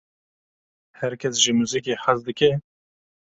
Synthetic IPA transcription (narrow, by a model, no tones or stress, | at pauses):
hɛɾkʲʰɛsʒimuːzik̬eːħazd̪ɨkɛ